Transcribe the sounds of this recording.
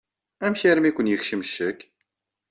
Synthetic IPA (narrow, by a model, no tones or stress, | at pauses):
æmçæɾəmikʷənjəxʃəmʃːək